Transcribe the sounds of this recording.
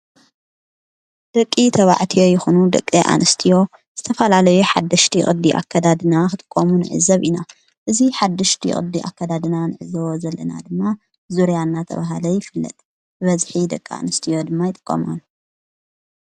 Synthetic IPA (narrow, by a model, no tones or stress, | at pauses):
d̪̥ɐkʼːit̪ʰɐβa̰ʕt̪ʰijo̞jɪxunud̪ɐ̰kʼːiʔa̰nɨst̪ʰijo̞ | z̥ɨt̪ʰɐfɐlalɐjuħa̰d̪ːɐʃt̪ʰixʼɨd̪iʔa̰kʰːɐd̪ad̪ɨnakɨt̪ʼɨ̥kʼːomunɨ̰ʕɨ̰zɐβʔina | ʔɨziħad̪ːɐʃt̪ʰḭχʼɨ̰d̪ːiʔa̰kːɐd̪ad̪ɨnanɨʕɨzɐβozɐlːɐ̰na̰d̪ɨmːa | zuɾijanːat̪ʰɐ̰βaɦalɐjɪfɨlːɐ̰t̪ʼ | bɨβɐzħid̪ɐkʼːia̰nɨst̪ʰijo̞d̪ɨmːajɪt̪ʼɨ̥kʼːɐ̰mon